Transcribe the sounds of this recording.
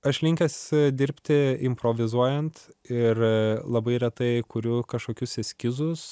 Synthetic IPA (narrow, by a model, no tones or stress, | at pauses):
ɐʃlʲɪŋʲkʲɛsʲd̪ʲɪɾʲpʲt̪ʲɪɪmpɾoːʋʲɪzuɔjɛnt̪ɪrlˠɐbɐɪɾʲɛt̪ɐɪkʊɾʲʊkɐʃkoːkʲʊsɛsʲkʲɪzʊs